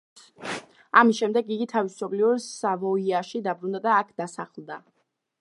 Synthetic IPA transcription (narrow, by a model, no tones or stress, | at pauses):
amisʃɛmd̪ɛɡiɡit̪ʰavisɔbliɔɾsavɔiaʃid̪abɾund̪ad̪aːkʰd̪asaχlˠd̪a